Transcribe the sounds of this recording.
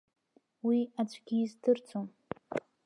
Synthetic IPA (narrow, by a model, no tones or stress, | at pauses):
wiad͡ʒʷʰʼɡʲizdʰɨrt͡sʰom